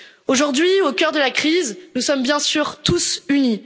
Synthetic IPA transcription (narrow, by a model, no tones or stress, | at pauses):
oʒuʁd̪ɥiokʲœʁd̪əlakχiznusɔmbjɛ̃syːʁt̪usyni